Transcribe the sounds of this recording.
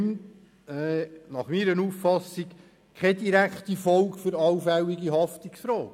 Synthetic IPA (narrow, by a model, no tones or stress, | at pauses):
mt | ɛnɑχmiːɾənuːffɑsik | kʰχɛdiɾækχt̪ifɔlkfʏɾɑwfæwiɡiɦɑftiksfɾɔːk